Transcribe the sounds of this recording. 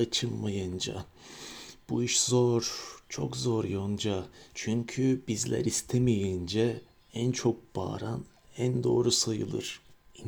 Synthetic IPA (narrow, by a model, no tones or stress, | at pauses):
at͡ʃʰɯmmajɯnd͡ʒa̰ | b̥uiʃzoɾ̥t͡ʃʰo̰kzoɾjond͡ʒat͡ʃʰyɲcʰybizlʲæ̰ɾist̪ʰemijind͡ʒɛ | ænt͡ʃʰo̞k̚b̥a̰ːɾan | ænd̪o̞̰ːɾusajɯ̰lˠɯ̰ɾ̥ | in